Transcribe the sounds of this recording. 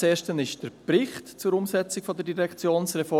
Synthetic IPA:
eːʃtənɪʃd̥əɾpɾɪχtt͡sʊɾʊmsɛt͡sikfɔdədiɾɛkt͡sjoːnsɾɛfɔ

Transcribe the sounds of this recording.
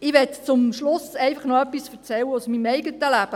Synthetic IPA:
ɪʋɛtt͡sʊmʃlʊsɛɪfəχnɔœpːisfɛʁt͡sɛlwəusmimɛɪɡətəlæb̥ə

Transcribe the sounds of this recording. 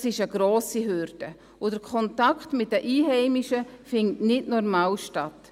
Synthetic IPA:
sɪʃəɡ̥ɾoːsiɦøɾd̥ə | ʊd̥əɾkʰɔntakχtmɪt̚dəʔiːɦɛɪmiʃəfɪntnɪdnɔɾmaːlʃtat

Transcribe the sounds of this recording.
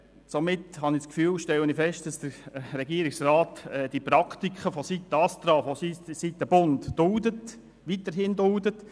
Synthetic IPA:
somɪtɦɑnɪskfyːlʃtɛwənifɛʃt̚d̥ɑsd̥əɾrɛɡiəɾɪksraːtɛd̥iprɑktikχəfosit̪ːəɑst̪ɾɑːfosisitːəb̥ʊntd̥ʊldət | ʋitəɾɦɪndʊldət

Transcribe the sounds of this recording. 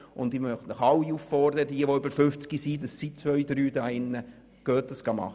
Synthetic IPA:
ʊnd̪imœχtnəχɑlːiufːɔrd̪əɾəd̪iəʋoʏbəɾfʏft͡skisidɑsːit͡sʋœɥd̪ɾyːdɑɪnːə | ɡ̥œːt̚d̥ɑsɡ̥ɑmɑ̰χ

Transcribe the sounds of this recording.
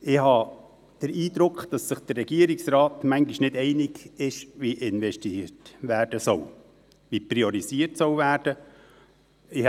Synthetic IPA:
ɪhɑː | d̥əɾiːd̪ɾʊkχd̥ɑsːɪχd̥ərːɛɡ̥iəɾɪksɾɑːtmæŋɡiʃnɪdɛɪnɪɡɪʃʋiʔɪnvɛʃtitvæːɾd̥əsɔw | ʋipɾiɔɾisiərtsɔwvæːɾd̥ə | ɪ

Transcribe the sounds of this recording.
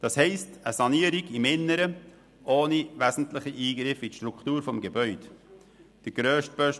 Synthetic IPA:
d̥ɑshɛɪstəsɑniːəɾiɡimɪnːəɾə | ʔoːnivæzn̩tlɪχiʔiːɡɾɪfitʃtɾuktuːɾfɔmɡebœʏd | d̥əɡ̥ɾøːʃt̚bøʃ

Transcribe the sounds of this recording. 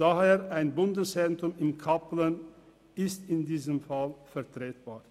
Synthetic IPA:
aheːʁʔaɪnbʊndəsentʊmɪmkʰaplən | ɪstɪndiːzəmfalfɛɐtʁ̥eːt̚b̥aː

